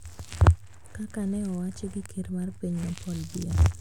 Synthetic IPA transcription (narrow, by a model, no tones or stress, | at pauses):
kakanɛɔwat͡ʃeɡɪkʰeɾmarpiɲmapʰɔlbia